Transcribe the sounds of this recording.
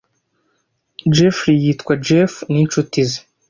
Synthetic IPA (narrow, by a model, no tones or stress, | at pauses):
d͡ʒefɾijitkwad͡ʒefnint͡ʃutize